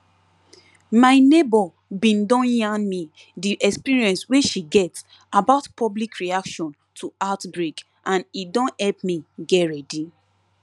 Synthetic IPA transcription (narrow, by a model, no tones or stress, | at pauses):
maɪnebɔ | bĩndɔ̃njãnmi | diʔɛkspiɹiɛ̃nsweʃiɡɛts | abaʊtpʰɔblikɹiakʃɔ̃n | tʰuatbɹek | ʔãnitdɔ̃nhɛlpmiɡɛtɹɛdi